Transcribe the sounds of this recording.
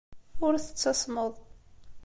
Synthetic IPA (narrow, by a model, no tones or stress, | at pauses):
ʊɾθə̥t͡sːɑsˤməðˤ